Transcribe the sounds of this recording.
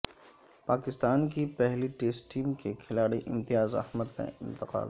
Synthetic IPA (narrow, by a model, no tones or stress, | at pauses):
paːkɪst̪aːnkipɛɦliʈeːsʈiːmkekʰɪlaːɽiʔɪ̰̃mt̪ɪjaːzɐ̰hməd̪kã̰ɪ̰̃nt̪ɪqa̰ːd̪